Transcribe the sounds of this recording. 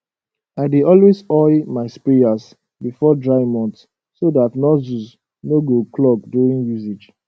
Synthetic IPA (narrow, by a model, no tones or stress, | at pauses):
aɪdidɔlwezɔɪmaɪspias | bifɔdɹaɪmɔ̃nt | sodatnɔjus | noɡoklɔk̚djuɹĩŋjuzid͡ʒ